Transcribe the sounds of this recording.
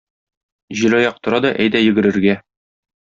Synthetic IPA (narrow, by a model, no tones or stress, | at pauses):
ʑilɒjɑq̚t̪ŏɾɑd̪ɒʔæjd̪æjɵ̆ɡɘ̆ɾɘ̆ɾɡæ